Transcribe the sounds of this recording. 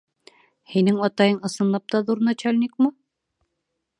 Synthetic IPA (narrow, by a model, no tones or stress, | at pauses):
hinɘŋɒt̪ɑjɤɴɤ̆sɤ̆nlˠɑp̚t̪ɑðuɾnɑt͡ɕælʲnʲikmɤ